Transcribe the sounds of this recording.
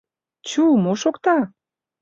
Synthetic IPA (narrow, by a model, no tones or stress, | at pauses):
t͡ɕumoʃokt̪ɑ